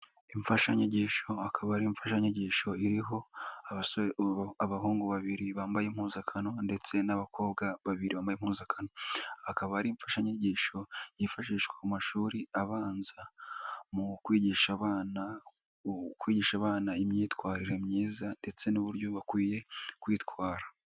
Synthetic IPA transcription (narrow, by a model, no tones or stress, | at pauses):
iɱfaʃaɲeɟiːʃo̞akʰaβahɾiɱfaʃaɲeɟiːʃo̞iɾiɦo̞a | aβahoːŋɡoβaβiɾiβaːmbajemhuːzakʰano̞nde̞t͡se̞naβakʰo̞ːbɡaβaβiɾiβaːmbajemhuːzakʰanoakaβahaɾiɱfaʃaɲeɟiːʃo̞jifaʃiːʃweumaʃuːɾiaβaːnzamukwiːɟiːʃaβana | kwiːɟiːʃaβaːnaimɲiːtwaːɾiɾe̞mɲiːzande̞t͡se̞nuβuɾjo̞βakwiːje̞kwiːtkwaːɾḁ